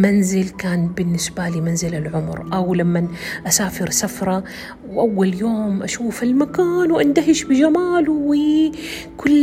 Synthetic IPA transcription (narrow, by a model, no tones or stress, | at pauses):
manzɪlkaːnbɪnːɪsbalimanzɪlalʕʊmɾʔawlamːanʔasaːfɪɾsafɾˤɑ | wʔawːaljoːmʔaʃuːfalmakaːnwʔand̪aɦɪʃbɪd͡ʒamaːluwi | kʊlː